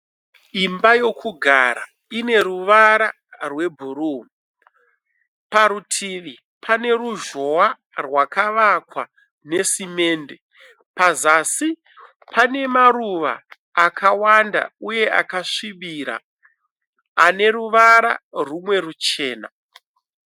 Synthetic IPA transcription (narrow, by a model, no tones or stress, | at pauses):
imbajo̞kʰuɡʱaɾa̰ | ine̞ɾuʋaɾa | rwe̞bʱuɾuː | paɾutʰiʋi | pʰane̞ruʒo̞a | rwakaʋakwa | ne̞sime̞ːnde | pazasi | pane̞maɾuʋa̰ː | kʰawanda̰uje̞a̰kaʂiʋiɾa̰ | ne̞ɾuʋaɾa̰rumwe̞rut͡ʃe̞ːna